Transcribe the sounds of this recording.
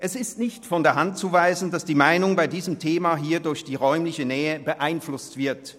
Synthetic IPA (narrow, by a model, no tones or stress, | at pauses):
ʔɛsɪstnɪçtfɔndeːɐɦantt͡suvaɪzn̩dasd̥iːmaɪnʊŋbaɪdiːzəmtʰeːmaɦiːɐdʊɐçd̥iːʁɔʏmlɪçənɛːəbəʔaɪnflʊstv̥ɪɐt